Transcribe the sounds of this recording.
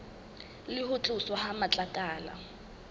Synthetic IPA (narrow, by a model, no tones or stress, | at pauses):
lɪɦʊt͡ɬʼʊswɔhamat͡ɬʼakʼaːla̰